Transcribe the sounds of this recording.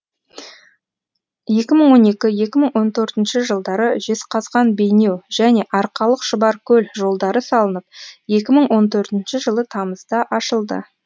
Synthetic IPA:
je̞kʲɪməɴwo̞ne̞kʲɪje̞kʲɪməɴwo̞nt̪ʰɵɾt̪ɪnʃɪʒəlˠd̪ɑɾəʒe̞sqʰɑzʁɑnbe̞jne̞wʒ̥æne̞ʔɑɾqɑlˠəqʃəbɑɾkʲʰɵlʒo̞lˠd̪ɑɾəsɑlˠənəp̚je̞kʲɪməɴwo̞nt̪ʰɵɾt̪ɪnʃɪʒəlˠət̪ʰɑməzd̪ɑʔɑʃəlˠd̪ə̰

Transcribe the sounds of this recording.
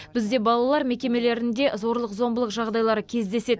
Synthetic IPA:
b̥ɪzd̪e̞bɑlˠɑlˠɑɾme̞kʲe̞me̞le̞ɾɪnd̪e̞zo̞ɾlˠəqzo̞mbəlˠəqʒɑʁd̪ɑjlˠɑɾəkʲʰe̞zd̪e̞se̞

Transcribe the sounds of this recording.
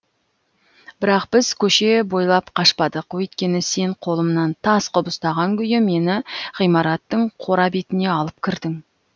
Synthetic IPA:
b̥ɪɾɑqb̥ɪzkʲʰɵʃe̞bo̞jlˠɑpqʰɑʃpɑd̪əqwɵjt̪̚kʲe̞nɪse̞ɴqʰo̞lˠəmnɑnt̪ʰɑsqʊbəst̪ɑʁɑŋkʲʏjɪme̞nɪʁijmɑɾɑt̪ːəɴqʰo̞ɾɑbet̪ɪne̞ɑlˠəpkʲʰɪɾd̪ɪŋ

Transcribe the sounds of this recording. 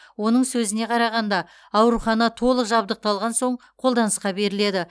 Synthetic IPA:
wo̞nəɴsɵzɪne̞qʰɑɾɑʁɑnd̪ɑ | ɑwɾuχɑnɑt̪ʰo̞lˠəqʒɑb̚d̪əq̚t̪ɑlˠʁɑnso̞ɴqʰo̞lˠd̪ɑnəsqɑbe̞ɾɪle̞d̪ɪ

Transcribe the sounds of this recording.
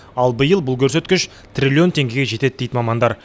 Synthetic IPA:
ɑlˠbəjəlˠbʊlˠkʲʰɵɾse̞t̪kʲɪʃ | t̪ʰrʲilʲio̞nt̪ʰe̞ŋɡʲe̞ɡʲe̞ʒe̞t̪e̞d̪̚d̪ejd̪ɪmɑmɑnd̪ɑɾ

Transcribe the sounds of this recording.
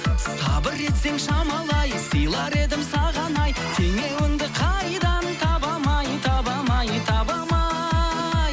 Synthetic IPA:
st̪ʰɑbɪɾːe̞t̪ze̞ŋʃɑmɑlˠɑjsəjlˠɑɾe̞d̪ɪmsɑʁɑnɑjt̪ʲʰeŋewɪnd̪ɪqʰɑjd̪ɑnt̪ʰɑbɑmɑjt̪ʰɑbɑmɑjət̪ʰɑbɑmɑ | j

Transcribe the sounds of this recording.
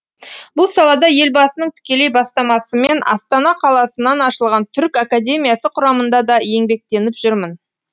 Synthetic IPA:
bʊlˠsɑlˠɑd̪ɑje̞lbɑsənəɴt̪ʰɪ̥kʲe̞le̞jbɑst̪ɑmɑsəme̞nɑ̰st̪ɑnɑqʰɑlˠɑsənɑnɑʃəlˠʁɑnt̪ʰʏɾkakad̪ʲe̞mijasəqʰʊɾɑmənd̪ɑd̪ɑje̞ŋbe̞k̚t̪e̞nɪpʒʏɾmən

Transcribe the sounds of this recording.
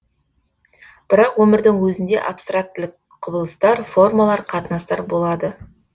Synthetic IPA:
b̥ɪɾɑqwɵmɪɾd̪ɪŋwɵzɪnd̪e̞̰ʔapst̪rak̚t̪lɪk | qʰʊbəlˠəst̪ɑɾfo̞rmalˠɑɾqʰɑt̪ənɑst̪ɑɾbo̞lˠɑd̪ə

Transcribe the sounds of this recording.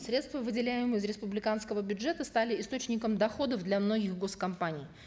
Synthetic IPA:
sɾʲet̪st̪vəvɨdʲɪlʲæjɪmɨɪzɾʲɪspʊblʲɪkanskəvəbʲʊdʐɛt̪əst̪alʲɪɪst̪o̞t͡ɕnʲɪkəmd̪ɐxo̞d̪əfd̪lʲɐmno̞ɡʲɪxɡo̞skɐmpanʲɪj

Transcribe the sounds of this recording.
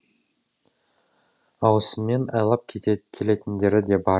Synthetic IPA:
ɑwəsəmːe̞nɑjlˠɑp̚k̪ʲʰkʲʰe̞le̞t̪ɪnd̪e̞ɾɪd̪e̞bɑ

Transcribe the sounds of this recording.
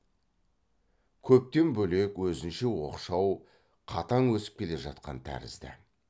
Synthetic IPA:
kʲʰɵp̚t̪e̞nbɵle̞kwɵzɪnʃe̞wo̞̰qʃɑw | qʰɑt̪ɑŋwɵsɪ̥p̚kʲʰe̞le̞ʒɑt̪̚qɑnt̪ʰæ̰ɾɪ̰zd̪ɪ̰

